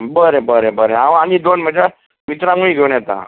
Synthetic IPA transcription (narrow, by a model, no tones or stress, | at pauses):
bəɾebəɾebəɾeaʋañid̪onm̤əd͡ʑa | mit̪ɾãŋuiːɡʱewɳjɛt̪ã̰